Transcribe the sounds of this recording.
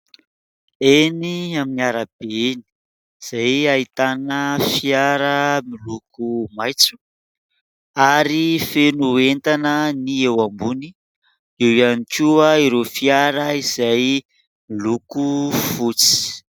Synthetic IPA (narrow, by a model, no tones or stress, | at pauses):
eniaminiaɾab̥eni̥ | iz̥ajait̪anəfiaɾəmilukumajt͡su̥ | aɾifenuent̪anəniewambuni | iwianikuəiɾofiaɾəiz̥aj | milukufut͡si̥